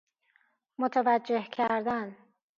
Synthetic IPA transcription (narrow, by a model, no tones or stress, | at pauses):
mot̪ʰævæd͡ʒːe̞hcʰæɾd̪æn